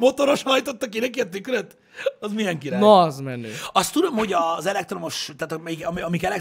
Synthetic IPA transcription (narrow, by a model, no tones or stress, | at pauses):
mo̞t̪o̞ɾoʃhɒjt̪ot̪ːɒkid̪ɛkiɛt̪ykrɛt̪ | ɒzmijɛŋkinnozmɛnːø̰ːɒst̪ːud̪o̞mho̞ɟɒzɛlɛk̚t̪ro̞moʃt̪aːt̪mɛikɒmiɒmikɛlɛk